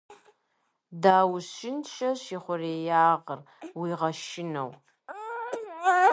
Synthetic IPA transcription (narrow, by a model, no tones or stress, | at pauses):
daːwʃɪnʃɐʃiːχʷʊreːjaːʁər | wiːʁɐʃɪnɐ̰w